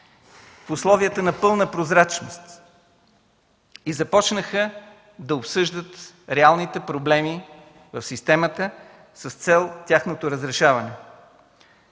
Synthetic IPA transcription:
fʊslˠɔviət̪ənɐpɤlˠnəpɾozɾat͡ʃnost̪ | izɐpɔt͡ʃnəxə | d̪ɐopsɤʒd̪ət̪ | ɾɛalˠnit̪ɛpɾoblɛmi | vəfsist̪ɛmət̪ə | səst̪sɛlˠtʲaxnot̪oɾəzɾɛʃavənɛ

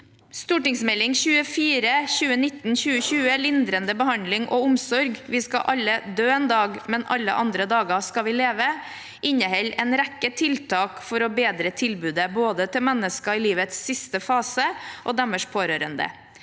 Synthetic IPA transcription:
st̪uːʈɪŋsmɛlːɪŋçʉːəfiːɾəçʉːənɪt̪n̩çʉːəçʉːəlɪnd̪ɾənd̪əbəhɑnlɪŋʔoːʊmsɔɾɡʋɪːskɑʔɑlːəd̪øːeːnd̪ɑːɡmɛnɑlːə̰ʔɑnd̪ɾəd̪ɑːɡəskɑʋɪleːʋə | ʔɪɲəhɛlɛnɾækːət̪ʰɪlt̪ʰɑːkfɔɾɔbeːd̪ɾət̪ʰɪlbʉːd̪əboːd̪ət̪ʰɪlmɛnːəskɑɪliːʋət̪sːɪst̪əfɑːsəʔoːd̪ɛməʂpʰoːɾøːɾənd̪ə̰

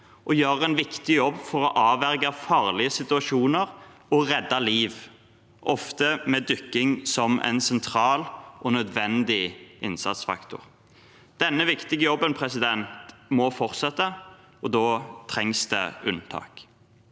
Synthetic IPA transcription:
ʔɔjøːʁɛɪnʋɪkt̪ɪjɔbːfɔɾɔʔɑːʋæʁɡɑfɑːʁlɪəsɪt̪ʉɑʃuːnəɾ | ɔʁɛd̪ːɑliːʋ | ʔɔft̪əmɛd̪ʏkːɪŋsɔmʔɛ̰ɪnsɛnt̪ʰɾɑːlʔɔnœd̪ʋɛnd̪ɪʔɪnsɑ̰t̪sfɑ̰kt̪ʰʊ̰ʁ | d̪̥ɛnːəʋɪkt̪ɪɡəjɔbːənpʰɾɛsɪd̪ɛnt̪mɔfɔʁt̪sɛt̪ːə | ɔd̪oːt̪ʰɾɛŋsd̪ɛ̰ʉ̰nt̪ʰɑ̰ːk

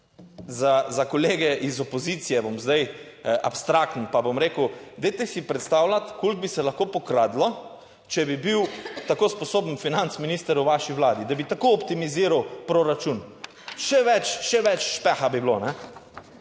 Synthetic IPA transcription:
zazakɔleːɡɛʔizɔpozit̪sijɛbomzd̪aj | ʔa̰pst̪ɾak̚t̪n̩pabomɾeːkəwd̪ejt̪ɛsipɾɛt̪st̪awlat̪kolɡ̚bisɛlaxkoːpɔkɾaːd̪lɔ | t͡ʃɛbibiwt̪akospɔsoːbn̩finant̪sminiːst̪əɾjuʋaʃiʋlaːd̪id̪abit̪akoːpt̪imiziːɾawpɾoɾat͡ʃun | ʃɛʋɛt͡ʃʃɛʋɛt͡ʃʃpɛxabiblonɛ

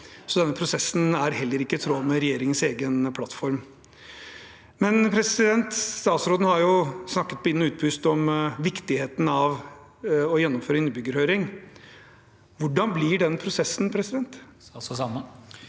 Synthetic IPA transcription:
sɔd̪ɛnːəpʰɾʊsɛsːn̩æɾɦɛlːəɾɪkːət̪ʰɾoːmɛɾɛjeːɾɪŋənseːɡənpʰlɑt̪ːfɔɾm | mɛnpʰɾɛsɪd̪ɛnt̪st̪ɑːt̪sɾoːd̪n̩hɑɾjʊsnɑkːət̪̚bɪnʉːt̪̚pʰʉːst̪ɔmʋɪkt̪ɪheːt̪n̩ɑʋ | ɔjɛnːɔmføːɾəɪnːəbʏɡːəɾhøːɾɪŋ | ʋʊɖɑnblɪɖɛnːpʰɾʊsɛsːn̩pʰɾɛsɪd̪ɛnt̪ | mə

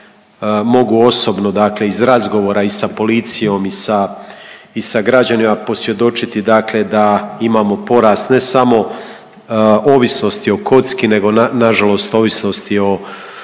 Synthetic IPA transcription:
mo̞ɡuo̞so̞bno̞d̪akle̞izɾazɡo̞ʋo̞ːɾaisapo̞lit̪sijo̞misa | isaɡɾad͡ʑanimapo̞sʋje̞d̪o̞t͡ʃit̪id̪aːkle̞d̪aimaːmo̞po̞ɾaːst̪ne̞samo̞ | oːʋisno̞st̪io̞kʰo̞t̪skine̞ɡo̞nanaʒalo̞st̪o̞ːʋisno̞st̪io̞

